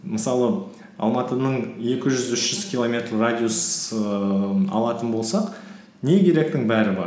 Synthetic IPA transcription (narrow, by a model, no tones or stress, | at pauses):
məsɑlˠə | ɑ̰lˠmɑt̪ənəɴje̞kʲɪʒʏzʏʃʒ̥ʏz̥kʲilˠo̞mʲe̞t̪rːadʲiusə | ɑ̰lˠɑt̪ənbo̞lˠsɑq | ne̞kʲʰe̞ɾe̞k̚t̪ɪŋbæɾɪbɑ̰ɾ